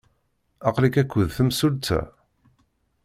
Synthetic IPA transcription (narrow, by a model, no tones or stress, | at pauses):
ɑqlikækʷːəðθəmsult͡s̪ːæ̰